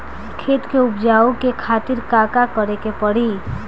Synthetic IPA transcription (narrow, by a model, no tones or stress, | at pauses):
kʰeːt̪keʊpd͡ʒaːukekʰaːt̪ɪɾkaːkakəɾekepəɽ̤i